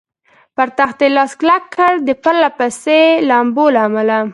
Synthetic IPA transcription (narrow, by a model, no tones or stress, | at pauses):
paɾt̪axt̪elɑsklakʰːaɽd̪əpalːapaselaːmbolaːmala